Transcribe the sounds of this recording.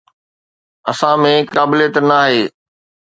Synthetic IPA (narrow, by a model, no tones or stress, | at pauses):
ɐsãmẽkaːbɪlet̪naːɦeː